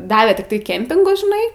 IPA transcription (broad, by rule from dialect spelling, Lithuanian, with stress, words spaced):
ˈdɑːʋʲeː tʲɪkˈtɐɪ ˈkʲɛmʲpʲɪŋɡʊs ʒʲɪˈnɐɪ